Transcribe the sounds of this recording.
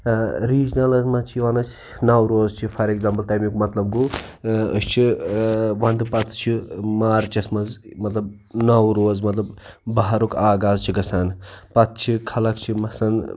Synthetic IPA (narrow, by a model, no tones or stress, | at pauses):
ɾiːd͡ʒnɐlɐsmɐt͡ʃʰiʋɐnɐs | nɐwɾoːzt͡ʃʰipʰɐɾekzaːmpɐlt̪ɐjmikmɐt̪lɐbɡoə̰st͡ʃʰi | ʋɐnd̪pɐt̪ʰt͡ʃʰimaːɾt͡ʃɐsmɐzmɐt̪lɐb | nɐwɾoːzmɐt̪lɐbbɐɦɐɾukaːɡaːzt͡ʃʰiɡɐsaːnpɐt̪̚ʰt͡ʃʰikʰɐlɐkt͡ʃʰimɐsɐn